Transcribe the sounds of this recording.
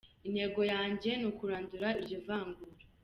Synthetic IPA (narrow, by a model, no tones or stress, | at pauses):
inhe̞ɡo̞jaːɲɟe̞nukuɾaːnduɾaiɾjovaːŋɡuɾa